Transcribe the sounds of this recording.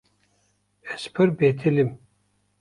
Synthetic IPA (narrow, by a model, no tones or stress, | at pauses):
ɛspʰɨɾbet̪ʰilim